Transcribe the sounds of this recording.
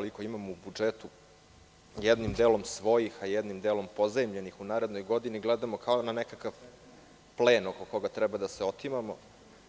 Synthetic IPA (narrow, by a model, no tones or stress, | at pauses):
koliko̞imamoubud͡ʒet̪u | jɛd̪nimd̪eːlˠo̞msʋo̞jixajɛd̪nimd̪eːlo̞mpo̞zaimʎenixunaːɾed̪no̞jɡo̞d̪iniɡlɛd̪amokʰaonanekakaʋ | pleːnoko̞ko̞ɡat̪ɾɛbad̪aseot̪imamo̰